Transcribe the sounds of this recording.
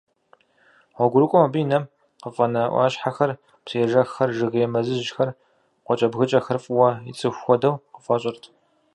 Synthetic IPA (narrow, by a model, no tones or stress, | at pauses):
ʁʷɔɡʷʊɾɨkʷʼɔmɐbijnɐm | qəfʼɐnɐʔʷɑ̰ːɕħaxɐr | psijɛʒɐxːɐrʒɨɣɨjɛmɐzɨʑxɐr | qʷɔt͡ʃʼɐbɣɨt͡ʃʼɐxɨrfʼwɐḭt͡sʼɨxʷxʷɔdɐwqəfʼɐɕʼɪrtʰ